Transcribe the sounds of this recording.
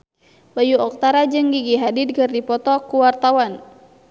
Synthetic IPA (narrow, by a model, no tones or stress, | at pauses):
bajuɔk̚t̪aɾad͡ʒɨŋɡiɡiɦadid̚kɨrdipɔt̪ɔkuwart̪awan